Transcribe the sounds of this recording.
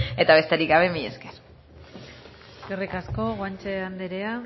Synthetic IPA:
e̞t̪aβe̞st̪eɾiɡɡaβe̞miḛskeɾ | ɡerikasko̞ɣwant͡ʃeand̪eɾea

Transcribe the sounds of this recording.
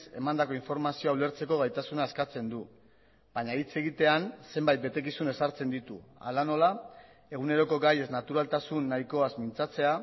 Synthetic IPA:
se̞̰mand̪ako̞iɱfo̞ɾmasioaule̞ɾt͡se̞ko̞ɣ̞ajt̪asunaeskat͡se̞nd̪u | baɲait͡se̞ɣit̪e̞anse̞mbajt̪̚be̞t̪e̞kisune̞saɾt͡se̞nd̪it̪ua̰lano̞la | e̞ɣ̞une̞ɾo̞ko̞ɡaje̞znat̪uɾalt̪asunːajko̞azmint͡sat͡se̞a

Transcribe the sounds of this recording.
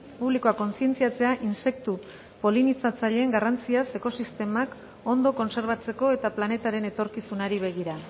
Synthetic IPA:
puβlikoako̞nsie̞nt͡siat͡se̞aʔinse̞kt̪u | po̞linit͡sat͡saʎe̞ːŋɡarant͡siase̞ko̞sist̪e̞mak | o̞nd̪o̞ko̞nse̞ɾβ̞at͡se̞ko̞e̞t̪aplane̞t̪aɾe̞ne̞t̪o̞ɾkisunaɾiβ̞e̞ɣ̞iɾa

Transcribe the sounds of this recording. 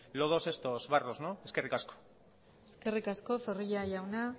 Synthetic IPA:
loðose̞st̪ozβaroznoe̞skerikasko̥ | eske̞rikasko̞feriʎaʝawna

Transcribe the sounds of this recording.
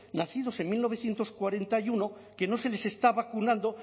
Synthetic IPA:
naθið̞o̞se̞ŋmilno̞β̞eθjent̪o̞skwaɾe̞nt̪ajunoke̞no̞se̞le̞se̞st̪aβakunãnd̪o

